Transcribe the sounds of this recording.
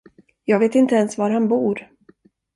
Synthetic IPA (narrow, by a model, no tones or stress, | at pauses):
jɑːɡveːt̪ɪnt̪əɛnsvaɾhanbuːɾ